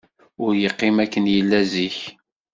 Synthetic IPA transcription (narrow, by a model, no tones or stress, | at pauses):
ʊɾjəqːɪmækːənjəlːæziç